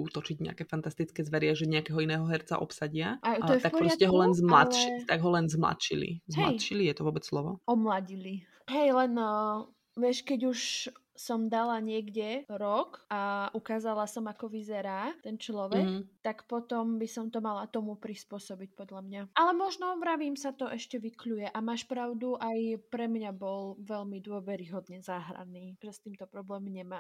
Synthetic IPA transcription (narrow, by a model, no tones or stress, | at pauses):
ut̪ɔt͡ʃiɟɲɛ̰akɛːfant̪ast̪it͡skɛːzʋɛɾɪaʒɛɲɛakɛːɦɔinɛːɦɔɦɛɾt͡sa̰ʔɔpsaɟɪaʔaɔjɛfakpɔɾɔɪdscɛɦɔlɛnzmlat̪ʃit̪aɡɦɔlɛnzmla̰t̪t͡ʃḭlḭzmmɛlajt̪ʃilijɛt̪ɔʋʊɔbɛt͡sslˠɔʋɔɔmlaɟili | ɦɛjlɛn | ʋɪɛʃkɛɟuʃ | sɔmd̪alaɲɪɛɡɟɛɾɔkaʔukaːzalasɔmakɔʋizɛɾaːt̪ɛnt͡ʃlɔʋɛkt̪akpɔt̪ɔmbisɔmt̪ɔmalat̪ɔmupɾispʊɔsɔbic̚pɔd̪ʎamɲaʔalɛmɔʒnɔʋɾaʋiːmsat̪ɔʔɛʃcɛʋikʎujɛʔamaːʃpɾaʊd̪uʔajpɾɛmɲabɔlʋɛʎmid̪ʊɔʋɛɾiɦɔd̪ɲɛzaːɦɾa̰niːʒɛst̪iːmt̪ɔpɾɔblɛːmɲɛmaː